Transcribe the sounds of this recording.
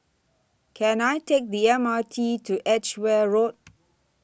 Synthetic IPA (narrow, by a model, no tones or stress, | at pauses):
kʰɛ̃najtʰek̚diɛ̃matʰitʰuʔɛt͡ʃwɛɹot̚